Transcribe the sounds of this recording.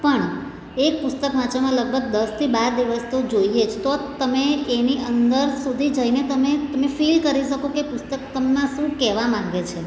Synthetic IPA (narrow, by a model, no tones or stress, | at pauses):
pəɳ | ek̚pʊst̪əkʋat͡ʃamãləɡ̚bʱəɡ̚d̪əst̪ʰibaɾd̪iʋəst̪od͡ʒoied͡ʒʰt̪ot̪əmeːniʔənd̪əɾsud̪ʱid͡ʒəinet̪əmet̪əmefilkəɾiʃəkokepʊst̪əkt̪əmnãʃũkɛʋamãɡet͡ʃʰe